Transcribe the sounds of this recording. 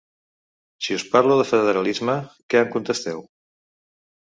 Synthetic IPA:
siuspaɾluðəfəððəɾəlizməkɛəŋkunt̪əst̪ɛw

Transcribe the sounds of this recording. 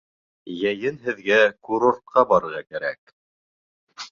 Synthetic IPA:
jæjɘnɦɘ̆ðɡækuɾoɾt̪̚qɑbɑɾɤ̆ɾʁɑkæɾæ̰k

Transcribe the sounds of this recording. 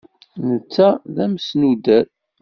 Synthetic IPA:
nət͡sːæðæmsnud̪æθ

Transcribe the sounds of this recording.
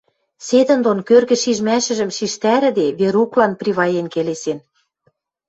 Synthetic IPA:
sed̪ə̆nd̪onkørɣɘ̆ʃiʒmæʃɘ̆ʒə̆mʃiʃt̪æɾɘ̆d̪eβeɾuklɑnpriβɑjenkelesen

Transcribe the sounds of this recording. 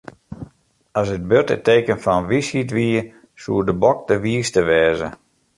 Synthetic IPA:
asət̚bøtə̰teːkənfɔnʋishitʋiː | suːdəbɔk̚dəʋiːəstəʋɛːzə̰

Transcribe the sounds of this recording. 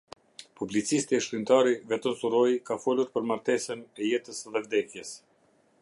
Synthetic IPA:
publit͡sist̪iɛʃkint̪aɾivɛt̪əmsuɾɔjkafɔluɾpəɾmaɾt̪ɛsənɛjɛt̪əsðɛvd̪ɛkjɛs

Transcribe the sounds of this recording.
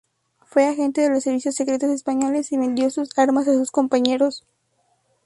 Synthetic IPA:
fwe̞axe̞nt̪e̞ðe̞lo̞sːe̞ɾβisjo̞sːe̞kɾe̞t̪o̞se̞spaɲo̞le̞siβe̞nd̪jo̞susaɾmas̬asusko̞mpaɲe̞ɾo̞s

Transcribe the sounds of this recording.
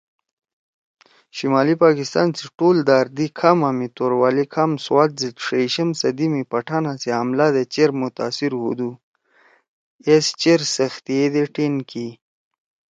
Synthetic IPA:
ʃimɑːlipɑkɪst̪ɑ̰nt͡siʈold̪aɾd̪ikʰamamit̪oɾwɑlikʰamswɑːt̪̚zid̪ʂeʃəmsad̪imipaʈʰanaseamlad̪et͡ʃeɾmʊt̪a̰siɾhṵd̪u | est͡ʃeɾsəxt̪ijed̪eʈinki

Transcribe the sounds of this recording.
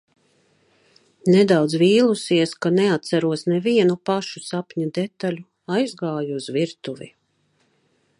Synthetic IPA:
nɛd̪awd̪zviːlˠusiɛskanɛat̪sæɾuɔsnɛviɛnupaʃusapɲud̪ɛt̪aʎʲu | ajzɡaːjuuzviɾt̪uvḭ

